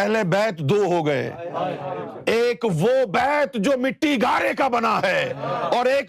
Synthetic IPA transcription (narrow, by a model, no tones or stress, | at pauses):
ɛɦlebɛːt̪d̪oːɦoɡɐḛː | eːkʋobɛːt̪d͡ʒoːmɪʈːiɡʱaːɾekabɐnaɦɛːɔːɾeːk